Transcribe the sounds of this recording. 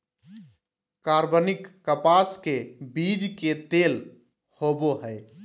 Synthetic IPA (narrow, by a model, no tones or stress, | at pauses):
kaɾbənɪkːəpaskebid͡ʒket̪el | hoboɦəɪ